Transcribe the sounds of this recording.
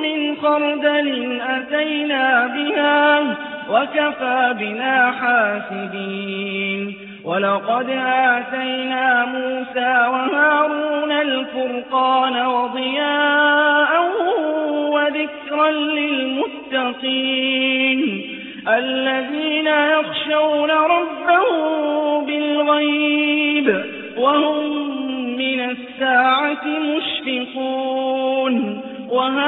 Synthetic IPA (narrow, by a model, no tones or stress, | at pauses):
mɪnfɑɾˤd̪alɪnʔat̪ajnaːbɪhaːwakafaːbɪnaːħaːsɪbiːn | walɑqɑd̪ʔaːt̪ajnaːmuːsaːwahaːɾuːnalfʊɾqɑːnawɑd̪ˤɨjaːʔa | waðɪkɾanlɪlmʊt̪ːɑqiːn | ʔalːaðiːnajɑxʃawnaɾˤɑbːahʊbɪlɣajb | wahʊmː | ɪnasːaːʕat̪ɪmʊʃfɪquːn | waɦa